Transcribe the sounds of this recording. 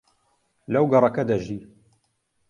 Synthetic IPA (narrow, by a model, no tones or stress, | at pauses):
lawɡɑɾˤɑkad̪aʒiː